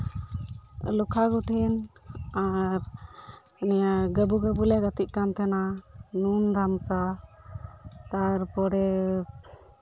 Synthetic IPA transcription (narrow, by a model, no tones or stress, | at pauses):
lukʰaɡuʈʰɛnaɾ | nɛjaɡəbuɡəbulɛɡat̪iʔ̚kant̪ɛnanund̪ʱamsa | t̪aɾpɔɽɛ